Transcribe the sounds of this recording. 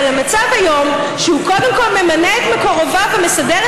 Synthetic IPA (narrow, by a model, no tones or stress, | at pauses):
lamat͡savhajo̞m | ʃehuko̞de̞mko̞lme̞maneːt̪mekoʁovavemesad̪eʁ